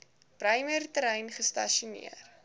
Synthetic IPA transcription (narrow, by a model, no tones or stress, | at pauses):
b̥rɐjmərtəɾɛjnχəstɐ̰ʃunḭər